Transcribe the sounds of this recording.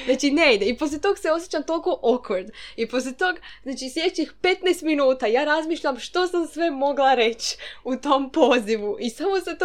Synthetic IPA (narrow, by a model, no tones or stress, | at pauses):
nat͡ʃinejd̪eipo̞s̬lʲet̪o̞ɡse̞o̞sjet͡ɕamt̪o̞lˠko̞ʔokʰoɾd̪ipo̞s̬lʲet̪o̞ɡznaːt͡ʃislʲjed̪et͡ɕixpe̞t̪naest̪minuːt̪ajaːɾazmiːʃʎamʃt̪o̞samsʋe̞mo̞ɡlˠaɾe̞t͡ɕut̪o̞mpo̞ːziʋuʔisamo̞set̪